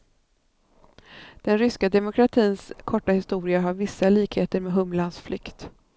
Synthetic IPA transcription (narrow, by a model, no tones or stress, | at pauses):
d̪̥ɛnɾʏskad̪ɛmʊkʰɾat̪ʰiːnskʰɔʈːahɪst̪uːɾɪaɦaɾvɪsːaliːkheːt̪əɾmeːɦɵmlansflʏ̰kt̪